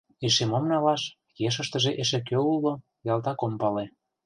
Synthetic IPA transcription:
eʃemomnɑlɑʃ | jeʃ̬ə̆ʃt̪ə̆ʒeʔeʃĕkøulːo | jɑlt̪ɑkompɑle

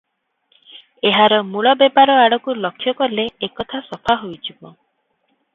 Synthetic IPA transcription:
eɦaɾɔmuɭɔbepaɾɔaɽɔkulɔkʰːjɔkɔleekɔt̪ʰasɔpʰaɦojt͡ʃibɔ

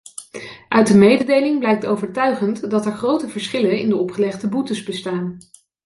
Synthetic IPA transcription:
ʔœɥt̚dəmejdədejlɪŋblɛjk̚towvəɹtœɥχəntdɑtɛɹχrowtəvəɹsχɪlənɪ̰ndəɔpχəlɛχdəbutəzbəstaːn

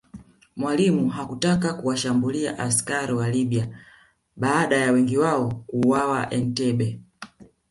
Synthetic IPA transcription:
mwalimuɦakutakakuwaʃambulia̰ʔaskaɾiwaliɓia | ɓaːɗajawɛŋɡiwaɔkuːwawaʔɛn̩tɛɓɛ

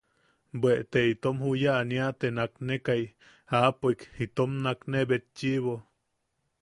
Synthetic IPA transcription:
bweʔt̪eit̪omhujaʔniaʔt̪enaknekaj | apoikhit̪omnaknebet̪̚t͡ʃiʔβo

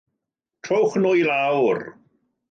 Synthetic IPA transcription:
tʰrowχnʊjɾawr

